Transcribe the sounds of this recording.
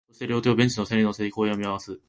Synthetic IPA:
oɕt̪eɾʲo̞ːt̪joːbẽ̞ɲ̟t͡ɕinosẽɾʲinoseːikoːjomʲiaβasɨ

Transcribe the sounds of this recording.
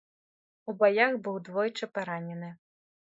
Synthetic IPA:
ubajaxbɨwd̪vɔjt͡ʂɨpaɾanʲɛnɨ

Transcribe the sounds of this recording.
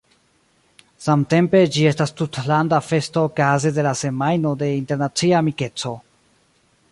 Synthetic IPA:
samte̞mpe̞d͡ʒie̞stastutlandafe̞stoːkazede̞lase̞majno̞de̞inte̞ɾnat͡siaːmike̞t͡so̞

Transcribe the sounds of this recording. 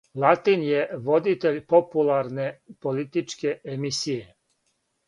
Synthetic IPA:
lˠat̪injeʋod̪it̪eʎʲpopulˠaɾnepolit̪it͡ʃkeːmisije

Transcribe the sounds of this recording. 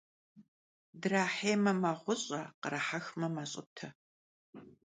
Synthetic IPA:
dɨraːħeːmɐmɐʁʷʊɕʼɐqəɾɐħaxmɐmɐɕʼɪ̰tʰɐ

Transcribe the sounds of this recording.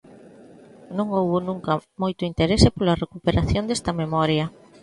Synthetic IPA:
nõŋowβʊnũŋkɐmojt̪ʊint̪eɾesepolɐrekupeɾaθjond̪est̪ɐmemɔɾjɐ

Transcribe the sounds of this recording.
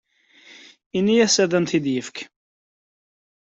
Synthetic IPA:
inːijæsæðænt̪id̪jəfk

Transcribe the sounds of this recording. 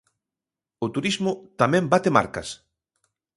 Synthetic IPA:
ʊt̪uɾizmʊt̪amɛ̃mbat̪ema̰ɾkɐ̰s

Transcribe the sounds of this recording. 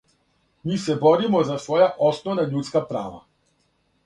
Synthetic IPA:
misɛbɔɾimɔzasvɔjaʔɔsnɔvnaʎut̪skapɾa̰ːva̰

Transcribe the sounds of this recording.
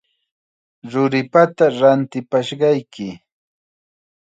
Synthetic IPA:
ɾʊɾɪpat̪aɾant̪ɪpaʃɢɑjkɪ

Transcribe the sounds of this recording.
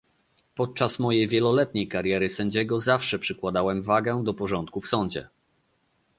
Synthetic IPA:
pɔt̪̚t͡ʂasmɔjejvʲjɛlɔlɛt̪ɲejkaɾʲjɛɾɘsɛ̃ɲd͡ʑɛɡɔzafʂɛpʂɘkwad̪awɛmvaɡɛd̪ɔpɔʐɔnt̪̚kufsɔɲd͡ʑɛ̰

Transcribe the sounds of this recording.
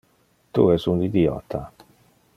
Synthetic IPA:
t̪ṵɛsund̪id̪iɔ̰t̪ʰːa

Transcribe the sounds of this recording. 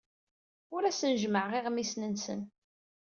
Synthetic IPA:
ʊɾæsənʒməʕʁɪʁmisnənsə̰n

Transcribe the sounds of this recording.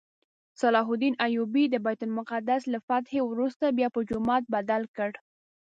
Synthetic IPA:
sɑlɑɦʊd̪inʔajubid̪əbɑjt̪ʊnmʊqad̪aslafat̪hewɾust̪abjɑpəd͡ʒʊmɑt̪̚bad̪alkəɽ

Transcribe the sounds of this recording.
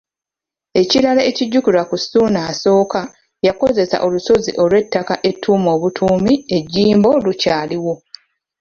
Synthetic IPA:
e̞cilalaeciɟːukulakusunaːso̞ːka | jako̞ze̞sa̰ʔo̞luso̞zḭʔo̞lwe̞tːakaʔe̞tʰːuːmo̞ːβutʰuːmie̞ɟːiːmbo̞lucaːliwo̞

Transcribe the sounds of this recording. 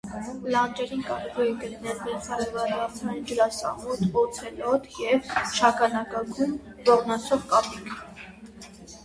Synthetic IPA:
lɑnd͡ʒɛɾinkɑɾɛvɔjɛkəlinɛlmɛt͡sʰɑɾɛɾvɑɾɑt͡smɛnd͡ʒəɾɑsɑ̰mɔt̪ɔt͡sʰɛlɔt̪jɛvʃʰɑkɑnɑkɑɡun | bɔʁnɑt͡sʰɔʁkɑpikʰ

